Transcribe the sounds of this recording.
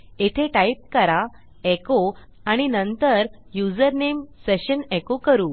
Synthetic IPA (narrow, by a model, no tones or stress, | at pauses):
et̪ʰeʈaip̚kəɾa | eko | aɽ̃inənt̪əɾjud͡zəɾnemseɕənekokəɾuː